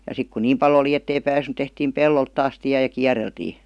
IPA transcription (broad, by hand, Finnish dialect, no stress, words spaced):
jɑ sik kun niːm pɑl oli etːei pæːsnẙ tehtiːm pelːolt tɑːs tiæ jɑ kiæreltiː